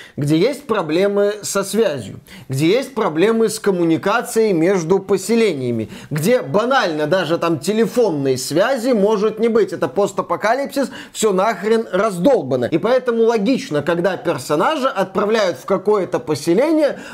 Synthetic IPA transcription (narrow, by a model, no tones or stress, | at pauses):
ɡdʲe̞jesʲt̚ʲpɾɐblʲe̞mɨsɐsvʲæzʲjʊ̰ | ɡdʲe̞jesʲt̚ʲpɾɐblʲe̞mɨskəmʊnʲɪkat̪sɨjəjmʲe̞ʐd̪ʊpəsʲɪlʲenʲɪjəmʲɪ̰ɡdʲebɐnalʲnəd̪aʐɨt̪amtʲɪlʲɪfo̞nːɨjəsvʲæzʲɪmo̞ʐɨt̪nʲɪbɨtʲɛt̪əpost̪ɐpɐkalʲipsʲɪs | fsʲonaxɾʲɪnrɐzd̪o̞lˠbənə̰ipɐɛt̪əmʊlˠɐɡʲit͡ɕnəkɐɡd̪apʲɪrsɐnaʐɨʔɐt̪̚pɾɐvlʲæjʊt̪fkɐko̞jət̪əpəsʲɪlʲenʲɪjə